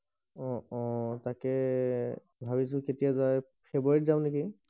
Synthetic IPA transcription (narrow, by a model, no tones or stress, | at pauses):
ɔ̃ɔ̃takɛ | bʱabis̬ʊ̃ketijazaj | pʰeboɹitzaʊ̃neki